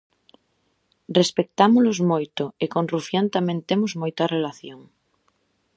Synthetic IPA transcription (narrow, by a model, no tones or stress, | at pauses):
respek̚t̪amolozmojt̪oekõnrufjant̪amẽnt̪emozmojt̪arelaθjoŋ